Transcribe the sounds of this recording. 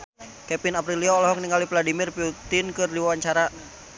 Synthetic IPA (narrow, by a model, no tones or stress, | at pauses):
kɛpinapɾiliɔːlɔɦɔk̚niŋalipladimirpiut̪inkɨrdiwawaɲt͡ʃaɾa